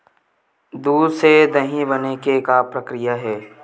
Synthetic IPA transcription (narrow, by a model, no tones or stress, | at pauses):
d̪uːdsed̪ɐɦĩbɐnekekapɾəkɾɪjaɦɛː